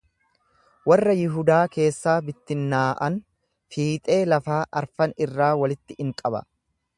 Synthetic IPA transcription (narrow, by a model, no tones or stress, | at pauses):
wɐrːɐjɪɦʊd̪aːke̞ːsːaːbɪt̪ːɪnːaːʔɐn | fiːt̪ʼe̞ːlɐfaːʔɐɾfɐnɪrːaːwɐlɪt̪ːɪʔɪŋkʼɐbɐ̰